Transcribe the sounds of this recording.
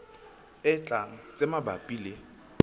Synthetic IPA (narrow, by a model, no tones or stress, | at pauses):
ɪt͡ɬʼaŋ̩t͡sʼemabapʼiːle